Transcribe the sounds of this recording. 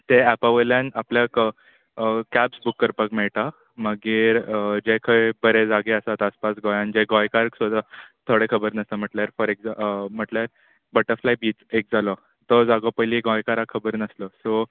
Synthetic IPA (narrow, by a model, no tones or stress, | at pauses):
t̪eæpaʋəljãnapljak | kæbsbukːəɾpəkmeɭʈ̪a | məɡiːɾd͡ʑekʰəjbəɾed͡zaɡeəsat̪aspasɡɔjãnd͡ʑeɡɔjkaɾksod̪ʱat̪ʰoɽekʰəbəɾnəst̪əm̤əʈljaɾfɔɾekd͡zam̤əʈljaɾ | bəʈəɾflajbiːt͡sek̚d͡zalɔ | t̪ɔd͡zaɡopəjliɡɔ̃jkaɾakʰəbəɾnəslɔso